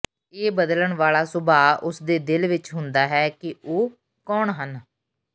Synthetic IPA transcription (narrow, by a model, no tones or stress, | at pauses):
eːbəd̪ləɳʋaːlaːsʊbaːʊsd̪eːd̪ɪlʋɪt͡ʃɦʊnd̪aːɦɛːkɪoː | kɔːɳɦən